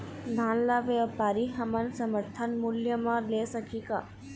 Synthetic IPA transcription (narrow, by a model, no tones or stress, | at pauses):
d̪ʱãːnlaʋepaːɾiɦəmənsəməɾt̪ʰənmuljəmãlesəkʰika